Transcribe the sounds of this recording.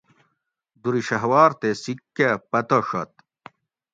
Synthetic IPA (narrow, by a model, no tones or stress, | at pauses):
d̪uɾiɕɐɦwaːɾt̪esikːepɐt̪oʂɐt̪̚